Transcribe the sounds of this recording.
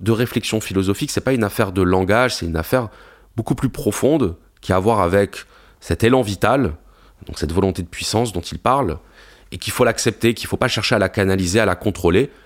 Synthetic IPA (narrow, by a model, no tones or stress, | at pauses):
d̪əʁeflɛksjɔ̃filɔzɔfiksɛpaynafɛʁd̪əlɑ̃ɡaʒsɛt̪ynafɛʁ | bokuplypχɔfɔ̃d̪ | kʲiavwaʁavɛk | sɛt̪elɑ̃vit̪al | d̪ɔ̰̃ksɛt̪vɔlɔ̃t̪ed̪əpɥisɑ̃sd̪ɔ̃t̪ilpaʁl | ekʲilfolaksɛp̚t̪ekʲilfopaʃɛʁʃealakanalizealakɔ̃t̪χole